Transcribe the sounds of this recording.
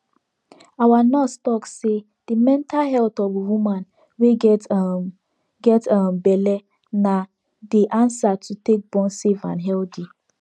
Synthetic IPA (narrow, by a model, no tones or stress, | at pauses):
awanɔstɔkse | d̥imɛ̃ntʰalɦɛltɔvwumãn | we | ɡɛtambɛlɛ | na | deʔãnsatʰutek̚bɔ̃nsevã̰nɦɛldi